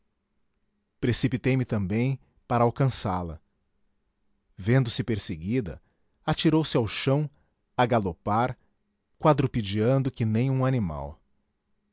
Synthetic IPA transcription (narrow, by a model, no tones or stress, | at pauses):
pɾesipit̪ejmɪt̪ɐ̃mbẽj̃ | paɾɐawkɐ̃salɐ | vẽnd̪ʊsɪpeɾseɡid̪ɐ̰ | at͡ʃiɾowsɪawʃɐ̃w̃ | aɡalopaɾ | kwad̪ɾupid͡ʒiɐ̃nd̪ʊkɪnẽj̃ũanima̰w